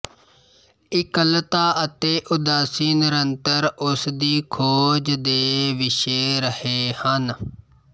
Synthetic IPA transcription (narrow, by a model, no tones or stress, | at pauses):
ɪkəlt̪aːʔət̪eːʔʊd̪aːsiːnɪɾənt̪əɾʊsd̪iːkʰoːd͡ʒd̪eːʋɪʃeːɾəheːhən